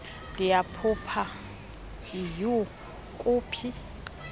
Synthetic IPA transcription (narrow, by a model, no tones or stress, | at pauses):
d̥ɪapʰʊpʰa | ɪjʊ | kʼʊːpʰi